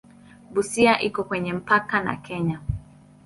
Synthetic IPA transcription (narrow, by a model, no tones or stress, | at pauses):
ɓusiaʔikɔkwɛɲɛm̩pakana̰kɛɲa